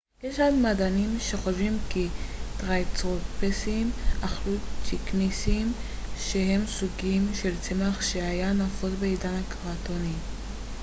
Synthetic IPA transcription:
jeʃadmadanimʃe̞χoʃvimkitʁajt͡sʁopesimaχlut͡ʃiknisiːm | ʃeɦe̞msuɡimʃelt͡semaχʃeajanafolbeidanhakaʁatoni

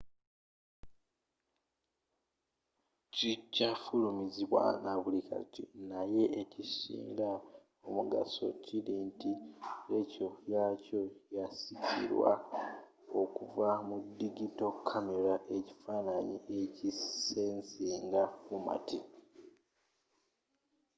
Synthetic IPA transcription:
cicafulumiziβwa̰naβulika̰tḭnaje̞ʔecisḭːŋɡa | omuɡa̰so̞̰ciliːntiecojaco̞jasicḭɾwa̰ | o̞kuvamudːiɡito̞kʰːameɾaʔe̞ci̥faːnaɲiʔe̞cisensiːŋɡafuma̰ti

